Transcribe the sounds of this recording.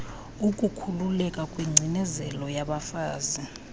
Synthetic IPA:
ukʼukʰululɛkʼakʼwiŋ͡ǀʱinɛzɛlɔjaɓafaːzi

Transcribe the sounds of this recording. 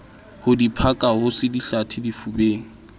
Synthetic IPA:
hʊdipʰakʼahʊsɪdiɬatʰɪdifubeːŋ̩

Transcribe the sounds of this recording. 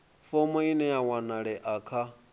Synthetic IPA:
fɔmɔinɛjawanaɺɛʔakʰa

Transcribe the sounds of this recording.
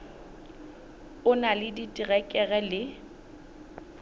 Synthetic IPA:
ʊnalɪditʼiɣɛkʼɛɣɛlɪ

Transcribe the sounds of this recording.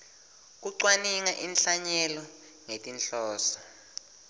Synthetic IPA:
k̬uǀwaniŋaʔinɬaɲɛlɔ | ŋetʼinɬɔːsɔ̥

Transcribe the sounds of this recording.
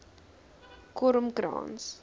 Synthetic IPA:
kɔɾəmkɾɑ̰ːns

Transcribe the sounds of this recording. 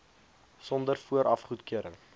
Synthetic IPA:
sɔndərfuəɾʔɐfχutkiəɾəŋ

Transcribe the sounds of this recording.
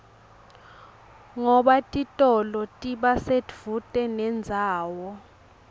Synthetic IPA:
ŋɔɓatʼitʼɔlɔtʼiɓasedv̥utʼɛnɛnd͡zʱaːwɔ

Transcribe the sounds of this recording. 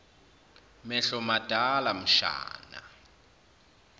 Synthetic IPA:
mɛɬɔmad̥ʱalam̩ʃa̰ːna̰

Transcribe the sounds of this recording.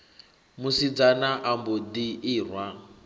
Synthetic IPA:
musid͡zanaʔambɔd̪iiːrwa

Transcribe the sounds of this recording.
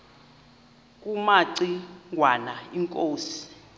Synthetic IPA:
k̬ʼumaǀiŋwanaiŋkʼoːsi̥

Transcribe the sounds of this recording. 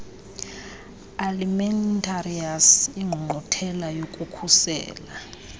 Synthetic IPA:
alimɛntʰʼariasiŋ͡ǃʱuŋ͡ǃʱɔtʰɛlajokʼukʰusɛ̰ːla

